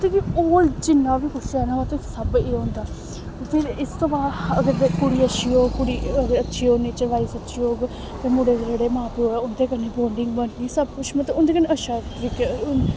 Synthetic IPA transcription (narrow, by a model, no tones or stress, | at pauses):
t̪eːkiːoːɾd͡ʒɪnːãːʋiːkʊsanaːãt̪esəbeːɦõːnd̪aː | p̪ʰɪɾɪst̪õːbaːd̪əɡəɾekʊɽiːəʃiːoːɡkʊɽiːəɡəɾətːʃʰiːoːniːt͡ʃəʋaːiːsətːʃʰiːoːɡ | t̪ẽːmʊɽeːd̪d͡ʒeɽeːmãːpeoːaːʊnd̪eːkənːeːboːɳɖɪŋɡbənnĩːsəb̚kʊt͡ʃʰmə̃t̪eʊnd̪eːkəneəʃʰaːɾik